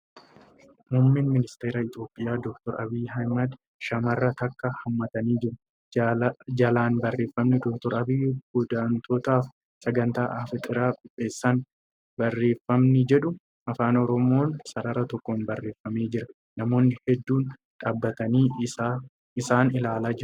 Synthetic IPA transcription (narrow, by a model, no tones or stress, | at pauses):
mʊmːɪnmɪnɪst̪e̞ːɾaːɪt̪o̞ːpʼːɪjaːd̪ɔk̚t̪ɔɾɐbiːjɦɐjmɐd̪ | ʃɐmɐrːɐt̪ɐkːɐhɐmːɐt̪ɐniːd͡ʒɪɾʊ | d͡ʒɐlaːnbɐrːe̞ːfːɐmnɪd̪ɔk̚t̪ɔɾɐbijɡʊd̪aːnt̪ʰoːt̪aːf | sɐɡɐnt̪aːʔɐfɪt̪ʼɪɾaːkʼɪpʼːe̞ːsːan | bɐrːe̞ːfːɐmnɪd͡ʒɛᶑʊ | ʔɐfaːnɔɾɔmo̞ːnsɐɾɐɾɐt̪ɔkːonbɐrːe̞ːfːɐmeːd͡ʒɪɾɐ | nɐmo̞ːnɪhɛd̪ːuːn | ᶑaːbːɐt̪ɐniː | ɪsaːnɪlaːlaːd͡ʒɪɾʊ